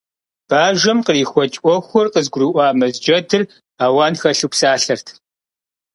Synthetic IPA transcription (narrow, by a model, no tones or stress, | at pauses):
b̥aːʒɐmqəriːxʷɔt͡ʃʼʔʷɔxʷɔrqəzɡʷʊrɨʔʷɑːmɐzd͡ʒɐdʰɨr | aːwaːnxɐɬupsaːɬɐrtʰ